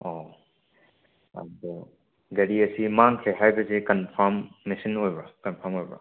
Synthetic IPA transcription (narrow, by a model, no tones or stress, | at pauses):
ɔ | ɐ̰dɔ | ɡɐɾiɐsimaŋkʰeɦajbɐzekɐnpʰaɾmːesɐnojbɾɔkɐnpʰɐɾmojbɔ̰